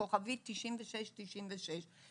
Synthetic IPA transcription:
oχavit̪iʃinvəʃɛʃtiʃinvəʃɛʃ

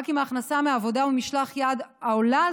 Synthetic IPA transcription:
kimaːχnasameavo̞d̪aumiʃlaχjad̪aola

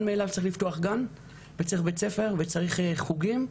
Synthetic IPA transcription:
nmeːlavtt͡saɐʁiχlift̪oaχɡan | vet͡saʁiχbe̞t͡sefe̞ʁvet͡saʁiχχuɡim

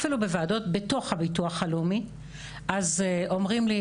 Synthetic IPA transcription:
filubevaado̞tbe̞to̞χhabituaχalumi | ʔazeʔo̞mʁimli

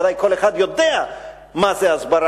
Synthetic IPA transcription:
ðajkʰolexad̪jod̪ea | mazeazbaɾ

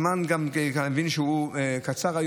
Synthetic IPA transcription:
manɡamkaevinʃeuekat͡saʁaj

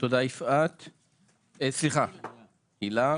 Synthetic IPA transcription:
t̪od̪aifat̪ | esliχa | ila

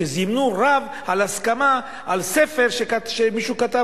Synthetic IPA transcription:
ezimnuʁav | alaskama | ʔalsefeʁʃekaʃemiʃukat̪a

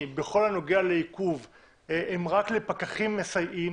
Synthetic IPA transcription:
beχo̞lhano̞ɡeale̞ikuv | eʔemʁakle̞pakaχimːesajʔim

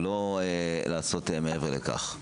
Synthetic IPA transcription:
loelaːso̞temeeveʁleka̰χ

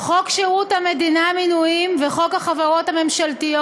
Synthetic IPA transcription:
χo̞kʃiʁuthame̞dinaaminujimveχo̞khaχavaʁo̞thame̞mʃaltijo

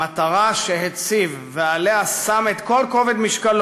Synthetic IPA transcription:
at̪aʁaʃeɦet͡sivːealeasamet̪ko̞lko̞ved̪miʃkal

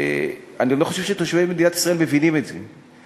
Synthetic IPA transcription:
anilo̞χoʃe̞vʃet̪oʃvebmed̪inat̪i̥sʁaelmbevinimetzḛ

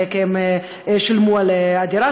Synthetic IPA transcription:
kɛm | ʃɪlmualad̪iɾa

